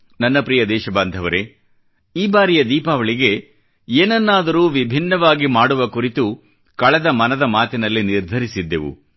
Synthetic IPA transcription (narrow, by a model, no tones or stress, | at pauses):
nɐnːɐpɾijɐd̪ɛːʃɐbaːnd̪ʱɐʋɐɾe̞ | iːbaːɾijɐd̪iːpaːʋɐɭiɡe̞ | eːnɐnːaːd̪ɐɾuːʋibʱinːɐʋaːɡimaːɽuʋɐkuɾit̪u | kɐɭɛd̪ɐmɐnɐd̪ɐmaːt̪inɐlːiniɾd̪ʱɐɾisid̪ːe̞̰ʋṵ